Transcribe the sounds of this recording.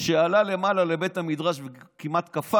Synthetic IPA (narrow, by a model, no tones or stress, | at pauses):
ʃealale̞malale̞be̞t̪hamidʁaʃvekimat̪kafa